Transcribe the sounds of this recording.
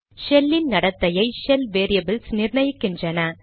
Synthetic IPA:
ʃɛlːɪnnɐɽɐt̪ːɐjɐɪʃɛlʋeːɾijɐbɪlsnɪɾɳɐjɯkːɪndrɐnɐ

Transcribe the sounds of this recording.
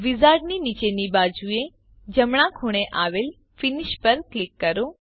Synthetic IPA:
ʋizaɾɖninit͡ʃenibad͡ʒue | d͡ʒəmɳ̃ãkʰoɽ̃eʔaʋel | fɪniʃpəɾklɪkːəɾo

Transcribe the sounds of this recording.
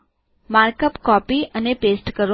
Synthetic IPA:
maɾkəpkɔpiənepesʈkəɾ

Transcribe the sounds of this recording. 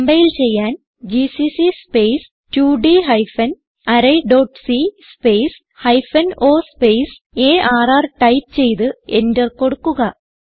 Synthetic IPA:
mbɐjilt͡ɕe̞jːaːn | d͡ʑisisispe̞js | tuːɖiɦɐjfɐn | ɐɾɐjɖo̞ːʈːsispe̞js | hɐjfɐno̞ːspe̞js | eːʔaːraːrʈɐjp̚t͡ɕe̞jt̪ɨe̞ndɐrko̞ɽukːuɣɐ

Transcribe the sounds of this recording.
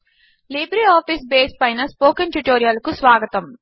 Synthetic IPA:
liːbɾiaːpʰisbeːspɐjnɐspoːkɐnʈuʈoːɾijalkusʋaːɡɐt̪ɐm

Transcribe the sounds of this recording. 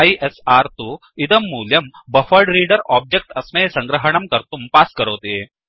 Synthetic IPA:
iʔesaɾt̪uː | id̪əmːuːljɐmbəfəɾɖɾiːɖəɾɔb̚d͡ʑek̚ʈɐsmejsəŋɡɾəɦəɳ̃ɐmkəɾt̪uːmpaskəɾəʋt̪e

